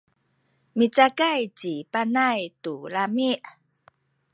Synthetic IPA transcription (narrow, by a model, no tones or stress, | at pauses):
mit͡sakajt͡ɕipanajtulamiʔ